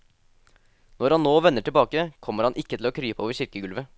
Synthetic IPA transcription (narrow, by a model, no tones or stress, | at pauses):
nɔɾhɑnnoːʋɛnːəʈɪbɑːkəkʰɔmːəɾhɑnʔɪkːət̪ʰɪloːkʰɾyːpəoːʋəɾɕɪɾkəɡʉlʋə